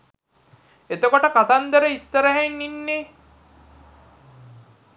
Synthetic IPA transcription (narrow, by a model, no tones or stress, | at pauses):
et̪okoʈəkat̪and̪əɾəisːəɾəɦenːinːe